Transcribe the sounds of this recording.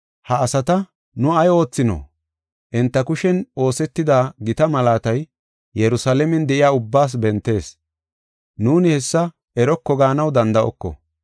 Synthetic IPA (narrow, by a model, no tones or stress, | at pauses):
hɐːsɐt̪ɐ | nʊɐjo̞ːt͡sːɪnɔ̰ | ʔɛnt̪ːɐkʊʃɛno̞ːsɛt̪ːɪd̪aːɡɪt̪ɐmɐlaːt̪ɐj | jɛɾʊsaːlɛmɛnd̪ɛʔɪjaːʊbːaːs̬bɛnt̪ːe̞ːs | nuːnɪhɛsːɐ | ɛɾɔkːɔɡaːnɐwd̪ɐnd̪ɐʔɔ̰kːɔ̰